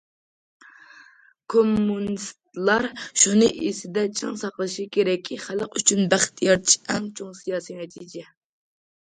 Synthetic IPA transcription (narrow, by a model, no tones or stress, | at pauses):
kʰomːunist̪lˠɑɾʃunɨʔesɪd̪ɛt͡ʃʰɨŋsɑqlˠɨʃikʲʰeɾɛkʲʰːiχæləqyt͡ʃʰynbæχt̪ʰjɑɾʰiɛŋt͡ʃʰoŋsijɑːsijnɛt̪ʰid͡ʒɛ